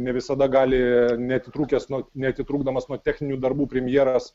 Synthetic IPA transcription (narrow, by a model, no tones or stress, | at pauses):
nʲɛʋʲɪsɐd̪ɐɡɑːlʲɪnʲɛɐt̪ʲɪt̪ɾuːkʲɛsnuɔnʲɛɐt̪ʲɪt̪ɾuːɡd̪ɐmɐsnuɔt̪ʲæːxʲnʲɪnʲuːd̪ɐrbuːpʲɾʲɛmʲjiɛɾɐs